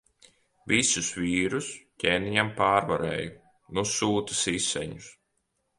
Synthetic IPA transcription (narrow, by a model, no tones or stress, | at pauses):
visusviːɾuscʲeːniɲampaːɾvaɾɛ̰ːju | nusuːt̪u̥sisɛ̰ɲus